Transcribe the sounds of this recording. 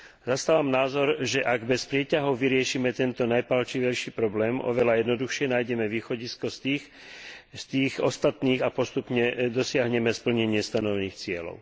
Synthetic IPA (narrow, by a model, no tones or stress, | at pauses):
zast̪aːʋamnaːzɔɾʒɛʔaɡbɛspɾɪɛcaɦɔʊʋiɾɪɛʃiːmɛt̪ɛnt̪ɔnajpalt͡ʃiʋɛjʃiːpɾɔblɛːmʔɔ̰ʋɛlajɛd̪nɔd̪uxʃɪɛnaːjɟɛmɛʋiːxɔɟiskɔst̪ix | st̪iːɣɔst̪at̪niːɣapɔst̪upɲɛd̪ɔsɪaɦɲɛmɛspl̩ɲɛɲɪɛst̪anɔʋɛniːxt͡sɪɛlɔ̰ʊ